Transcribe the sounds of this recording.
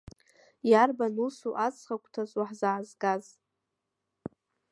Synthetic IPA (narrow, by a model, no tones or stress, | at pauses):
jarbanusuʔat͡sʰʼχakʷʰʼtʰazwaħzaːzɡaz